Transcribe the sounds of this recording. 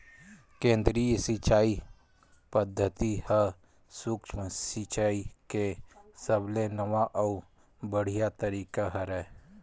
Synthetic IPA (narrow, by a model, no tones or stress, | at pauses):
kẽːnd̪ɾiːjəsit͡ʃaːi | pəd̪ʱːət̪ihə | sʊkt͡ʃʰməsit͡ʃaːikesəblenəʋaʔɔu | bəɽ̤ijat̪əɾiːkaɦɐɾɛ